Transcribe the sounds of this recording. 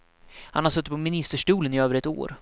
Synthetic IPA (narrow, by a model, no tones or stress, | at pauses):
hanhaɾsœt̪ːpʰɔmɪnɪst̪əʂʈuːlənɪøːvəɾɛt̪o̰ːɾ